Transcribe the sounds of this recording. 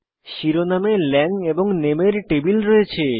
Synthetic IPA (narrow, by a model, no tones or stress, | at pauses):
ʃiɾonamelɛŋeboŋnemeɾʈebilɾɔet͡ɕʰe